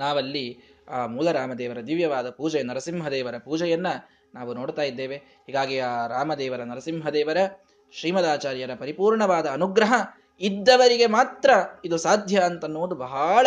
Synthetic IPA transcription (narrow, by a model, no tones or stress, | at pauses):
naːʋɐlːi | aːmuːlɐɾaːmɐd̪ɛːʋɐɾɐd̪iʋjɐʋaːd̪ɐpuːd͡ʒɐjɐnɐɾɐsimɦɐd̪ɛːʋɐɾɐpuːd͡ʒɐjɐnːɐ | naːʋuno̞ːɽt̪aːjid̪ːeːʋe | ɦiːɡaːɡiaːɾaːmɐd̪ɛːʋɐɾɐnɐɾɐsimɦɐd̪ɛːʋɐɾɐ | ʃɾiːmɐd̪aːt͡ʃaːɾjɐɾɐpɐɾipuːɾɳɐʋaːd̪ɐːnuɡɾɐɦɐ | id̪ːɐʋɐɾiɡe̞maːt̪ɾɐid̪usaːd̪ʱjɐːnt̪ɐnoːd̪ubɐɦɐɭɐ